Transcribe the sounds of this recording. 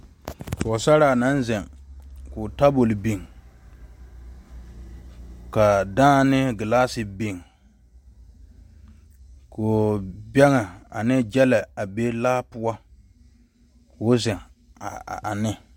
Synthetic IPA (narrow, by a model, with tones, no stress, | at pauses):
ko˨sa˦ɾa˨na˦n˦zɛ˨ŋkʊ˨ta˦bo˨lbi˨ŋ | ka˨daː˦nɪ˦ɡɪ˨la˦sɪ˨bi˨ŋ | ko˨bɛ˦ŋa˨a˨nɪ˦d͡ʒɛ˦la˨a˨be˦laː˦pʊ˦a˦ | kʰoː˨˦zɛ˨ŋ˨ | a˨nɪ˦